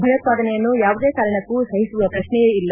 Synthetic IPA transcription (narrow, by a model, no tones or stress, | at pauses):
bʱɐjɐt̪̚paːd̪ɐnɛjɐnːujaːʋud̪eːkaːɾɐɳɐkːusɐɦisuʋɐpɾɐʃnɛeilːɐ